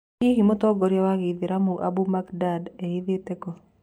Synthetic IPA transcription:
iɦimot̪ɔɡɔɾjawaɣiðɪɾamuʔa̰bumakdadeiðetɛkɔ

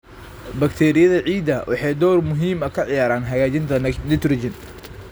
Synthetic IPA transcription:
bɐkt̪ʰɛːɾɪjɐðɐʕiːd̪ɐwʔɑ̰ħɑjd̪ɔːrmʊɦiːmɐkʰɐʕɪjaːɾaːnɦɐjaːt͡ʃɪnt̪ʰɐnɪt̪ɾɪd͡ʒɪn

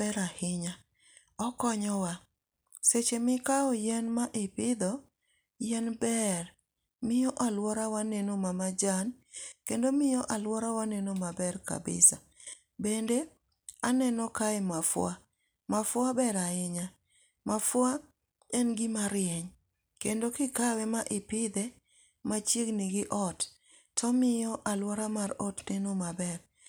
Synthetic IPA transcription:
bɛɾahɪɲa | ɔkɔɲɔwa | set͡ʃemɪkaɔjɛnmaʔɪpɪd̪ɔ | jɛnbɛr | mɪjɔʔalwɔɾawanenomamad͡ʒankendomɪjɔʔalwɔɾawanenomabɛrka̰bɪ̰sa | bende | anɛnɔkaɛmafwa | mafwabɛɾaɪɲa | mafwa | ɛnɡɪmaɾjɛɲ | kendokɪkawɛmaʔɪpɪd̪ɛ | mat͡ʃeɡnɪɡɪʔɔt | tːɔmɪjɔʔalwɔɾamaɾotnenomabɛr

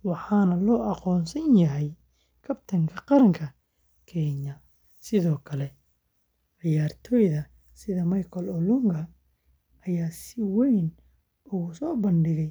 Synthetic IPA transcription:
wɑħɑːnɐlɔːʔɑqɔːnsɐnjɐɦɛj | kʰɐbt̪ʰɐŋkʰɐqɑɾɐŋkʰɐ | kʰɛɲɐ | sɪðɔːkʰɐlɛ | ʕɪjaːrt̪ʰɔːjðɐ | sɪðɐmɐjkʰɔlɔlʊŋɡɐ | ɐjaːsɪwɛjn | ʊɣʊsɔːbɐnɖɪɣɛj

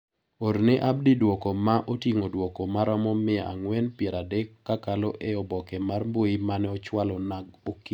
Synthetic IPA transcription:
oɾneʔab̚didwɔkɔmaʔotiŋodwɔkomaɾɔmɔmɪaa̰ŋwɛnpjɛɾadɛkːakalɔʔeɔbɔkɛmarmboimanɛɔt͡ʃwalɔnaɡokːi

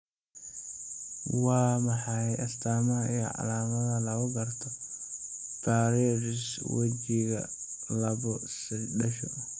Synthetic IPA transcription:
wɑːmɑħɑjɐst̪ʰaːmɐɐij̰ʕɑ̰laːmɐðɐlɐɣʊɡɐrt̪ʰɔ | t̪ʰaːɾiːɾɪswɐ̰t͡ʃiɣɐ̰ | lɐβɔsɪdɐʃɔ̰

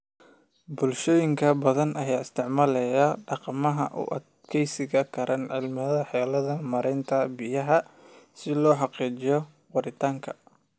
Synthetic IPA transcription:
bʊlʃɔːjɪŋkʰɐbɐðɐnʔɐjaːɪst̪ʰɪʕmaːlɛjaɖɑqɑmɐɦɐ̰ʔʊ̰ʔɐ̰d̪kʰɛjsɪɣɐkʰɐɾʔɐnʕɪlmɪðɐħɛːlɐðɐmɐɾɛjnt̪ʰɐbɪjɐɦɐsɪlɔːħɑqiːt͡ʃɪjɔ | wɑɾɪt̪ʰaːŋkʰɐ̥

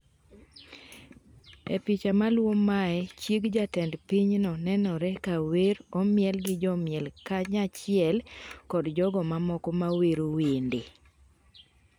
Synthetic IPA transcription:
ḛpit͡ʃamalwomaɛt͡ʃikd͡ʒatɛndpiɲnɔnɛnɔɾɛkaweɾɔmjɛlɡɪd͡ʒɔmjɛlkaɲat͡ʃɪɛlkɔdd͡ʒɔɡɔmamɔkɔmaweɾowende

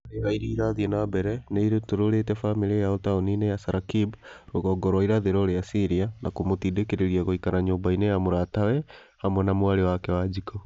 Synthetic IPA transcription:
ɾeɣaiɾiːɾaðiɛnabɛɾɛneiɾetoɾoɾetɛfamiɾejaɔtaoninejasaɾakibɾoɣɔːɡɔɾwaiɾaðeɾɔɾeasiɾianakomotiːdekeɾeɾiaɣoikanaɲoːmbainejamoɾaːtawɛ | hamwɛnamoaɾewakɛwad͡ʒikɔ

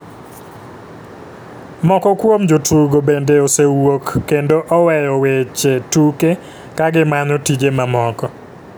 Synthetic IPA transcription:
mɔkɔkwomd͡ʒotuɡobendeosewokːendoʔɔwɛjɔwet͡ʃetuke | kaɡɪmanɔtid͡ʒemamɔkɔ

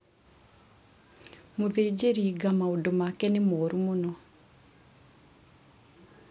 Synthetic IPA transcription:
moðed͡ʒeɾiɡamaondomakɛnemɔɾumonɔ

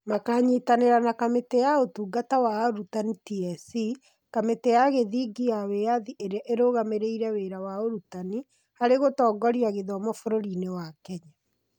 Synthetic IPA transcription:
makaːɲitaneɾanakametejaotuːɡatawaoɾutanitiɛsi | kametejaɣeðiɡijaweaðiʔeɾeaʔeɾoɣameɾeiɾɛweɾawaoɾutani | haɾeɣotɔːɡɔɾiaɣeðɔmɔfoɾoɾinewakɛɲa

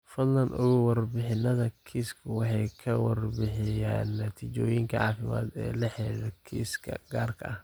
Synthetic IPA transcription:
fɐd̪lɐnʊɣʊwɐrbɪħɪnɐðɐkʰiːskʰʊwɑħɑjkʰɐwɑrbɪħɪjaːnːɐt̪ʰiːt͡ʃɔːjɪŋkʰɐʕɑːfɪma̰ːd̪ɛ̰ːlɐħɛɾɛkʰḭskʰɐ̰ɡaːrkʰɐʔɐh

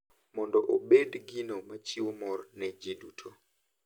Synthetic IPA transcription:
mɔndɔʔobedɡinomat͡ʃiwomɔrnɛd͡ʒedutʰo

